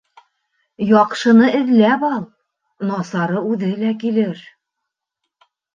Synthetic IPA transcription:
jɒqʃɤ̆nɤɘ̆ðlæpɑlˠ | nɑsɑɾɤʉðɘlækilɘɾ

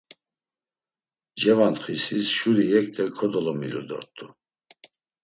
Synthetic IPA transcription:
d͡ʒɛvant̪χisisʃuɾijɛk̚ʰt̪ʰʼɛkʰɔd̪ɔlɔmilud̪ɔ̰ɾt̪ʰʼu

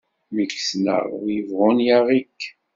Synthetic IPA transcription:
miksnə̰ʁwjəvʁʊnjaʁikː

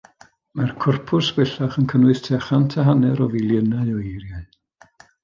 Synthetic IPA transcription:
markʰʊrpʰʊrsb̥ɛɬaχənkʰənwʊɨθtʰɛχantʰaɦanɛɾɔvɪlˠjənaɨɔirjaɨ

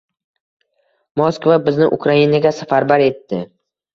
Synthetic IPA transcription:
moskvabɪznɪʔʊ̰kʰɾainaɡʲasafaɾbaɾe̞t̪ʰːɪ

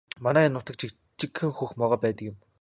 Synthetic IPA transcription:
manæːnːʊt̪ə̆k̚t͡ɕʰi | t͡ɕikxɘ̆ŋxuxmɔʁɔːpæːt̪əkjʊ̆m

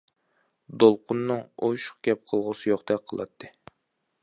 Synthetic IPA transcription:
d̪olˠqʰʊnːɨŋojʃʊ̥χɡʲɛp̚qʰəlˠʁʊsɨjoχt̪ɛk̚ʲqʰəlˠɑ̰t̪ʰːɨ

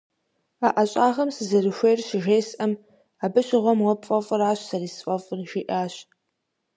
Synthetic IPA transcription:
aʔɐɕʼaːʁɐmsɨzɐrɨʃʷejrɕɪʒeːsʔɐm | aːbɨɕʼɪʁʷɔmwɐpfʼɐfʼɨraːɕsɐriːsfʼɐfʼɨrʒiːʔaːɕ

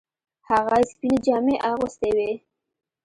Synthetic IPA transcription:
haɣaspined͡ʒɑmeʔaɣust̪ewe

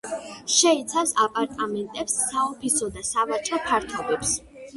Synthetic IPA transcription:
ʃɛit̪sʰafsapʼaɾt̪ʼamɛnt̪ʼɛpsːaɔpʰisɔd̪asavat͡ʃʼɾɔpʰaɾt̪ʰɔbɛps

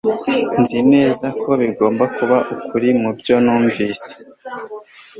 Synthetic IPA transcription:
nzine̞ːzakʰo̞βiɡo̞ːmbakuβaʔukuɾimubjo̞nuːɱviːse̥

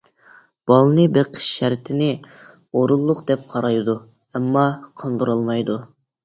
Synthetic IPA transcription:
b̥ɑlˠnɨbeqʰə̥ʃʃæɾt̪ʰɪnɪ | oɾulˠːʊqd̪ɛp̚qʰɑɾɑjd̪u | ɛmːɑqʰənd̪ɨɾɑlˠmɑjd̪u

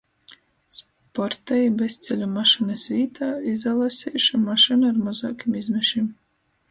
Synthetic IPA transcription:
s | pɔɾt̪ɛjbest̪sʲɛlʲumaʃinɨsvʲiːt̪ʰaːizalˠasʲiːʃumaʃɨnaaɾmɔzɔːkʲimizmʲɛʃim

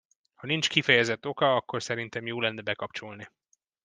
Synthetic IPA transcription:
hɒnint͡ʃkifɛjɛzɛt̪ːo̞kɒɒkːo̞rsɛɾint̪ɛmjoːlɛnːɛbɛkɒpt͡ʃo̞lni

